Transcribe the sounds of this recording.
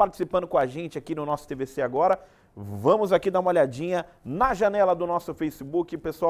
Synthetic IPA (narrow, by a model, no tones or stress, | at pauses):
paɾt͡ʃi̥sipɐ̃nd̪ʊkõaʒẽnt͡ʃɪakinʊnɔsʊ̥t̪eveseaɡɔɾɐ | vɐ̃mʊzakid̪aumoʎad͡ʒĩɲɐnɐʒɐnɛlɐd̪ʊnɔsʊfejsibukɪpesua